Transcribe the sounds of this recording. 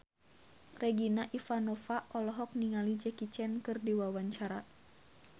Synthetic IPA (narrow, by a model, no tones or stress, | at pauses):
rɛɡinaʔifanɔfaʔɔlɔɦɔk̚niŋalid͡ʒɛkit͡ʃɛnkɨrdiwawaɲt͡ʃaɾa